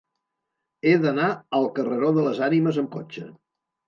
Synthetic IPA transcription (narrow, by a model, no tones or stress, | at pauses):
eðənaəlˠkərəɾoðələzaniməzəmkot͡ʃə